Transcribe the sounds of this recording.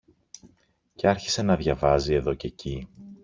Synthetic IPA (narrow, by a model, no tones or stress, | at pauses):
ceɐɾçi̥se̞nɐðʝɐvɐzie̞ðo̞ce̞ci